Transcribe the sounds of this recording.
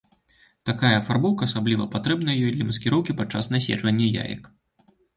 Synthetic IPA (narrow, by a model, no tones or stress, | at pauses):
t̪akajɐːfarbɔwkɐːsablʲivɐpat̪ɾɛbnɐjɐjɔjd̪lʲɐmɐskʲɛɾɔwkʲipat̪̚t͡ʂːasnasʲɛ̰d͡ʐvɐnʲːɐja̰jɐ̰k